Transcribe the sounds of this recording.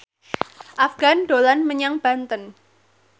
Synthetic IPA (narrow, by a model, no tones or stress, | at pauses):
ʔafɡ̥a̤nɖ̪̥o̤lanməɲaŋb̥ä̤nt̪ən